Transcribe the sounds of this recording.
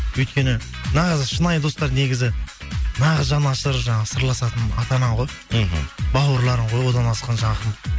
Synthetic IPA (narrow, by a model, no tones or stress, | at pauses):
wɵjt̪̚kʲe̞nɪnɑʁəzʃənɑjd̪o̞st̪ɑɾne̞ɡʲɪzɪnɑʁəzʒɑnɑʃəɾʒɑɴɑʁəsəɾlˠɑsɑt̪ənɑt̪ɑnɑɴʁo̞j | bɑwəɾlˠɑɾəɴʁʰo̞jwo̞d̪ɑnɑlsqɑnʒɑɴɑqən